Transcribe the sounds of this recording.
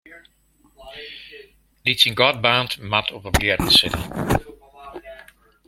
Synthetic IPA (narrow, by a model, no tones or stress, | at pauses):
ditsinɡɔt̚baːntmatʰɔpəbliədənsɪtə